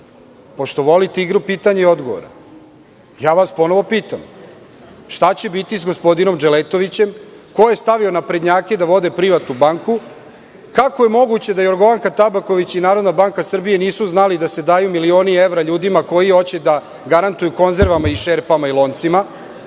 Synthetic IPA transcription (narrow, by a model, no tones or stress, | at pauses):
po̞ʃt̪o̞ʋo̞lit̪eiɡɾupiːt̪aɲeio̞d̪ɡo̞ʋo̰ɾa̰ | jaːʋaspo̞no̞ʋo̞piːt̪am | ʃt̪at͡ɕebit̪isɡospo̞d̪ino̞md͡ʒelet̪o̞ʋit͡ɕe̞m | ko̞jest̪aʋio̞napɾed̪ɲaːke̞d̪aʋo̞d̪e̞pɾiʋat̪nubaːŋku | kakoje̞mo̞ɡut͡ɕe̞d̪ajo̞ɾɡo̞ʋaŋkat̪abako̞ʋit͡ɕinaːɾo̞d̪nabaŋkasr̩bije̞niːsuznalid̪ase̞d̪aːjumilio̞ːnie̞ʋɾaʎuːd̪imako̞jio̞t͡ɕed̪a | ɡaɾant̪ujuko̞nze̞ɾʋamaiʃe̞ɾpamailˠo̞ːnt̪sima